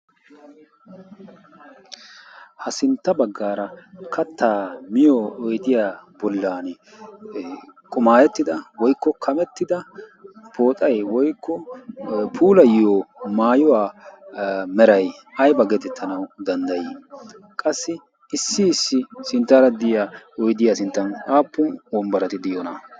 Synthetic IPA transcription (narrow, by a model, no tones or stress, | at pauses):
hɐsɪnt̪ːɐbɐɡːaːɾɐkʰɐt̪ːaːmɪjoːɔjd̪ɪjaːbɔlːaːn | kʼʊmaːjɛt̪ːɪd̪ɐwɔjkːɔkʰɐmɛt̪ːɪd̪ɐ | pʰo̞ːt̪ʼɐjwɔjkːɔ | pʰuːlɐjɪjomaːjɔwaː | mɛɾɐj | ɐjbɐɡeːt̪ɛt̪ːɐnɐwd̪ɐnd̪ɐjɪ | kʼɐsːɪ | ɪsːɪːsːɪsɪnt̪ːaːɾɐd̪ɪjaɔjd̪ɪjaːsɪnt̪ːɐnaːpːʊnwɔmbɐɾɐt̪ɪd̪ɪjɔnɐ̰